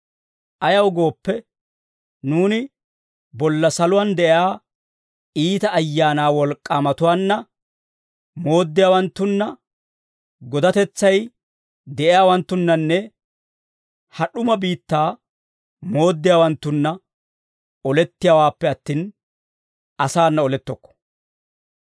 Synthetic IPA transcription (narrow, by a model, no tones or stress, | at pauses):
ʔɐjɐwɡo̞ːpːɛ | nuːnɪ | bɔlːɐsɐlʊwand̪ɛʔaː | iːt̪ɐʔːjːaːnaːwɔlkʼːaːmɐt̪ʊwaːnːɐ | mo̞ːd̪ːɪjaːwɐnt̪ːʊnːɐ | ɡɔd̪ɐt̪ɛt͡sːɐj | d̪ɛʔɪjaːwɐnt̪ːʊnːɐnːɛ | hɐɗʊmɐbiːt̪ːaː | mo̞ːd̪ːɪjaːwɐnt̪ːʊnːɐ | ɔlɛt̪ːɪjaːwaːpːɛɐt̪ːiːn | ɐsaːnːɐɔlɛt̪ːɔkːɔ̥